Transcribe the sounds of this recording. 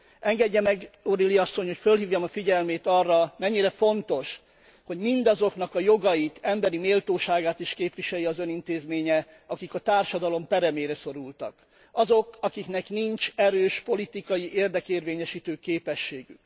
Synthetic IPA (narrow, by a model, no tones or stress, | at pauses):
ɛŋɡɛɟːɛmɛɡo̞ɾiliɒsːo̞ɲho̞cfølɦiːvjɒmɒfiɟɛlmeːt̪ɒrːɒmɛɲːiɾɛfo̞nt̪o̞ʃ | ho̞ɟmind̪ɒzo̞knɒkɒjo̞ɡɒjit̪ʰɛmbɛɾimeːlt̪oːʃaːɡaːt̪iʃkeːpʋiʃɛjiɒzø̞nint̪eːzmeːɲɛ | ɒkikɒt̪aːrʃɒd̪ɒlo̞mpɛɾɛmeːɾɛso̞ɾult̪ɒ̰k | ɒzo̞kɒkiknɛkniɲt͡ʃɛɾøːʃpo̞lit̪ikɒjiʔeːrd̪ɛkeːrveːɲɛʃiːt̪øːkeːpɛʃːeːɡy̰k